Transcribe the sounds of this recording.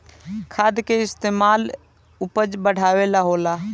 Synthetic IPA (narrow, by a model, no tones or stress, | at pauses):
kʰad̪keɪst̪emal | upəd͡ʒbəɽ̤awelaɦola